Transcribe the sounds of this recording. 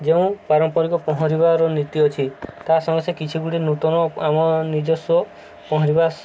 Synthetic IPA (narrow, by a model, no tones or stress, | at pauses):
d͡ʒeũpaɾɔmpɔɾikɔpɔɦɔ̃ɾiβaɾɔnit̪iɔt͡ʃʰit̪asɔŋɡesekit͡ʃʰiɡuɽinut̪ɔnɔamɔnid͡ʒɔsɔ | pɔɦɔɾiba